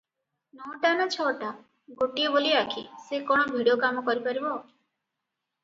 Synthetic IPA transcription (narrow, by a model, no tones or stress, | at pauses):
nɔːʈanat͡ʃʰɔʈa | ɡoʈijeboliakʰḭsekɔɽ̃ɔbʱiɽijokamɔkɔɾipaɾibɔ